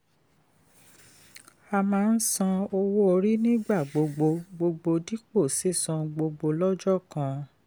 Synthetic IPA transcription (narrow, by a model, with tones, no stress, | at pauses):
a˧mãː˨˦n̩˦sã˦˧o˧wo˦o˧ɾi˦nĩ˦ɡ͡ba˦˨ɡ͡bo˨˧ɡ͡bo˧ɡ͡bo˧ɡ͡bo˧di˦k͡po˦˨si˦˨sɔ̃˧ɡ͡bo˧ɡ͡bo˧lɔ˦d͡ʒɔ˦˨kã˧